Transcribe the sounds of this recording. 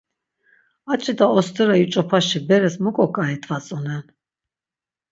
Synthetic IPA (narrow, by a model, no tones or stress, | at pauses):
at͡ʃʼid̪aɔst̪ʰʼɛɾajut͡ʃʼɔpʰaʃibɛɾɛsmukʼɔkʼaɛt̪ʰvat͡sʼɔnɛn